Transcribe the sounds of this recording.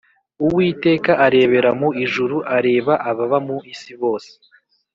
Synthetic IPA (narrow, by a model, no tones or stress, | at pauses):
uwiːte̞ːkaʔaɾe̞ːβe̞ɾamoiʒuɾuʔaɾe̞ːβaʔaβaβamuisiβo̞ːse̥